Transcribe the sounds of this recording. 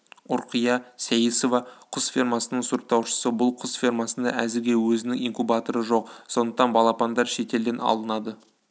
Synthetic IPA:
ʊɾqʰəjɑsæjiso̞vɑqʰʊsfʲirmɑsənəɴsuɾq̚t̪ɑwʃə̥səbʊlˠqʰʊsfʲirmɑsənd̪ɑæzɪɾɡʲe̞wɵzɪnɪŋiŋkubɑt̪o̞ɾəʒo̞qso̞nd̪əqt̪ɑnbɑlˠɑpɑnd̪ɑɾʃe̞t̪e̞ld̪e̞nɑ̰lˠənɑd̪ə

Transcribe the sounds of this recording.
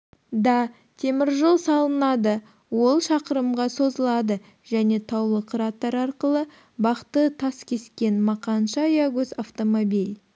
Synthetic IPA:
d̪ɑ | t̪ʰe̞mɪɾʒolˠsɑlˠənɑd̪ə | wo̞lˠʃɑqəɾəmʁɑso̞zəlˠɑd̪ə | ʒ̥æne̞t̪ʰɑwlˠəqʰɾɑt̪ːɑɾɑɾqəlˠə | bɑqt̪ət̪ʰɑskʲʰe̞skʲe̞nmɑqɑnʃɑjɑɡɵzaft̪omobilʲ

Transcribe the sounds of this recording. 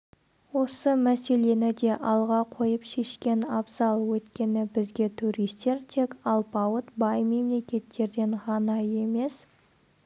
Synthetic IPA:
wo̞səmæse̞le̞nɪd̪e̞ʔɑlˠʁɑqʰo̞jəpʃe̞ʃkʲe̞nɑbzɑlˠwɵt̪kʲe̞nɪbɪzɡʲe̞t̪ʰuɾijst̪e̞ɾt̪ʰe̞kɑlˠpɑwət̪bɑjme̞mle̞kʲe̞t̪ːe̞ɾd̪e̞ɴʁɑnɑje̞me̞s

